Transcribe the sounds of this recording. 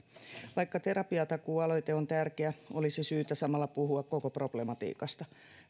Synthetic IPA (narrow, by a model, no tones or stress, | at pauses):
ʋɑijkːɑt̪eɾɑpiɑt̪ɑkuːɑlo̞jt̪eo̞nt̪ærkeæolisisyːt̪æsɑmɑlːɑpuɦuɑkkokopro̞b̥lemɑt̪ḭːkɑst̪ɑ